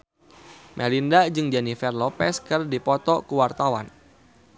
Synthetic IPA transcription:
mʔɛlindad͡ʒɨŋd͡ʒɛnifɛrlɔpɛskɨrdipɔt̪ɔkuwart̪awa̰n

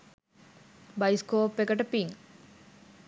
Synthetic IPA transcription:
bɐjskoːpːekɐʈɐpiŋ

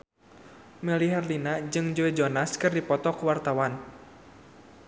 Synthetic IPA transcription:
məliɦarlinad͡ʒɨŋd͡ʒoɛd͡ʒɔnaskɨrdipɔt̪ɔkuwart̪awan

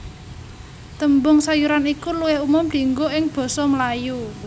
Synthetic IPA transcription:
t̪əmbʊŋsajuɾanikuluwɪhumʊmd̪̥i̤ŋɡoʔɪŋb̥ɔ̤sɔmlaju

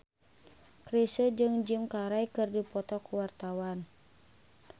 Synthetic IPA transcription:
kɾisəd͡ʒɨŋd͡ʒɨmkaɾajkɨrdipɔt̪ɔkuwart̪awan

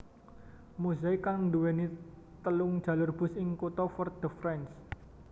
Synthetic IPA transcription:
muzaikaŋduwɛni | t̪əlʊŋ̥d͡ʒ̥a̤lʊrb̥ʊ̤sɪŋkut̪ɔfɔrd̪̥əfɾɛns

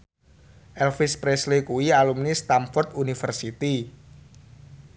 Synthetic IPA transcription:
ʔɛlfispɾeslekuwialumnist̪amfɔrt̪unifərsit̪i

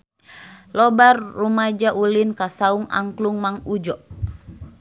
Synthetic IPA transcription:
lɔbarːumad͡ʒaʔulinkasauŋa̰ŋkluŋmaŋud͡ʒɔʔ

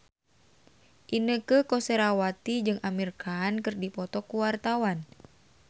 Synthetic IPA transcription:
ʔinəkəkɔseɾawat̪id͡ʒɨŋamirkankɨrdipɔt̪ɔkuwart̪awan

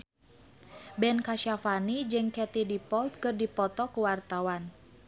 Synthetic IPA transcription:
bɛnkaʃafanid͡ʒɨŋkɛt̪idipɔlt̪̚kɨrdipɔt̪ɔkəwart̪awan

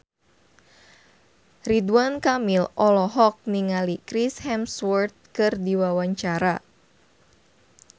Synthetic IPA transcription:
riduankamilɔlɔɦɔk̚niŋalikɾishɛmswɔrt̪̚kɨrdiwawaɲt͡ʃaɾa

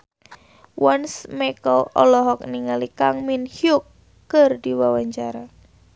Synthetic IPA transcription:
wansmɛkɔlɔ̰lɔɦɔk̚niŋalikaŋminhjukː | ɨrdiwawaɲt͡ʃaɾa

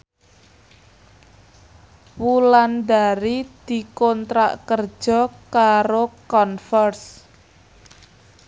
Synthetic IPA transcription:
wuland̪aɾid̪̥i̤kɔnt̪ɾa̰ʔkər̥ʒ̥ɔ̤kaɾokɔnfɔrs

